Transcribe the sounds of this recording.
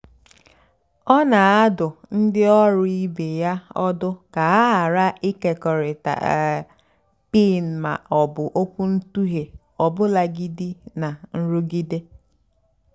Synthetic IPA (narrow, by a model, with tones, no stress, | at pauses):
ɔ˦na˨a˦dʊ˨n̩˦dɪ˦ɔ˦ɾʊ˦i˦be˨ja˦ɔ˦dʊ˦ka˨a˦ɦa˨ɾa˦i˦ke˨kɔ˨ɾɪ˨ta̰˨ | pi˦˨n̩˨ma̰˨ʔɔ˨bʊ˨ʔo˦kʷu˦n̩˦tu˦ɦe˨ | ɔ˨bʊ˦la˨ɡi˦di˦na˨n̩˦ɾu˦ɡi˦de˦